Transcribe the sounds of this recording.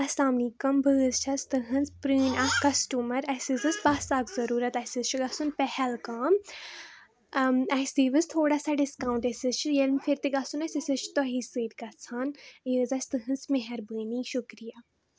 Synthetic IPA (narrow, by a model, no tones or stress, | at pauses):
ɐsaːmnikɐmbʱɨːzt͡ʃʰɐst̪ɨɦɨnzpɾɨːnakɐsʈuːmɐɾɐsizɨsbaːsaːkzɐɾuːɾɐt̪ɐsɨzt͡ʃʰiɡɐsunpɛhɛlkaːm | ɐsiʋɨst̪ʰoːɽaːsaɖɪskaːw̃ɳʈɐsɨt͡ʃʰijelmfʰiɾt̪iɡɐsunɐsɨsɨt͡ʃʰt̪ɔɦisɨːɾɡɐt͡sʰaːnəzɐsʲt̪ɨɦɨnzmɐɦɐɾbɨːniʃʊkɾijaː